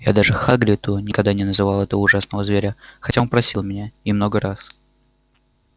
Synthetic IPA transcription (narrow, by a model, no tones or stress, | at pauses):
ja̰d̪aʐɨxaɡlʲɪt̪ʊnʲɪkɐɡ̚d̪anʲɪnəzɨvalˠɛt̪əvʊʐasnəvəzvʲeɾʲəxɐtʲaonpɾɐsʲilˠmʲɪnʲaɪmnoɡəɾas